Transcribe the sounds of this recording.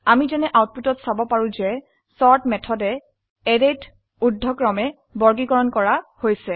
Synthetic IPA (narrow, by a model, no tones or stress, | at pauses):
amizɛnɛʔawt̚putɔtsabɔpaɹũzɛ | sɔɹtmɛtʰɔdɛ | ɛdet | udʱːɔkɹɔmɛ | bɔɹɡiɡɔɹɔnkɔɹahojsɛ